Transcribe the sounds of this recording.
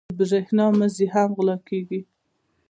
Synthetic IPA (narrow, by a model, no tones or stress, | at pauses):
bzehnɑməzeɦamɣlɑkeɡi